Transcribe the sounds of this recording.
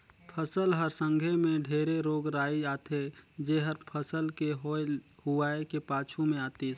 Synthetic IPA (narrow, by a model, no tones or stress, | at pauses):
pʰəsəlɦəɾsə̃ŋɡʱemẽɖʱeːɾeɾoːɡɾaːiaːt̪ʰed͡ʒeːɦəɾpʰəsəlkeɦo | huaːekepaːt͡ʃʰumẽaːt̪i